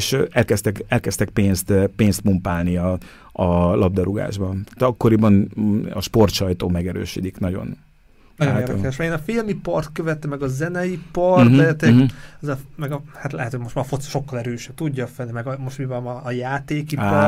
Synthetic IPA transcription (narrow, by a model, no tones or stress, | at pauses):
eʃɛlkɛst̪ɛkɛlkɛst̪ɛk̚peːnst̪peːnst̪mumpaːlniɒ | ɒlʔɒb̚d̪ɛɾuɡa̰ːʒbɒt̪ɒkːo̞ɾibɒnɒ̰ʃpo̞rt̪ʃɒjt̪oːmɛɡɛɾø̰ːʃid̪iknɒɟo̞̰n | nɔjoneːrd̪k̪ːɛʃmɛɾeːnɒfilmipɒrt̪køvɛt̪ɛmːɛɡɒzɛnɛjipɒrbɛt̪ɛkɒzɒmɛɡɒhat̪lɛ̰ɦɛt̪hoɟmo̞ʃt̪mafot̪sʃo̞kːɒlɛɾøːʃɛb̚t̪uɟːɒfɛmɛɡɒmoʃtmivɛmɒːjaːt̪eːkipɔ